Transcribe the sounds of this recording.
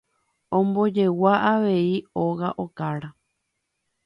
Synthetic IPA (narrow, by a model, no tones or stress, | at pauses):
õmbo̞d͡ʒe̞waʔaʋe̞io̞ɣaʔokaɾa